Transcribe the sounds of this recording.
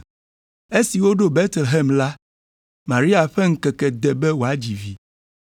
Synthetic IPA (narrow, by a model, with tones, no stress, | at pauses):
e˦si˨wo˦ɖo˦be˦t̪lɦɛ˦mla˦ | ma˨ɾi˦a˨ɸɛ˦ŋ̩˦kɛ˨kɛ˨d̪ɛ˨bɛ˦wo˨a˨d͡ʑi˨vi˨